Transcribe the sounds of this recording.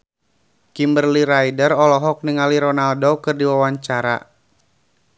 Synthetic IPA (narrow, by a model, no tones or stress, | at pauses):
kimbərliɾaidərɔlɔɦɔk̚niŋaliɾɔnaldokɨrdiwawaɲt͡ʃaɾa̰